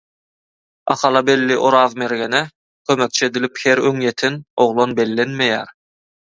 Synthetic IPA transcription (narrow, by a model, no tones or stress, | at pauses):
ɑ̰qʰɑlˠɑbe̞lːiʔoɾɑːvmeɾɡenɛ | kʰømek̚t͡ʃʰied̪ilipheɾøŋjet̪ʰenoʁlˠonbelːenmejæːɾ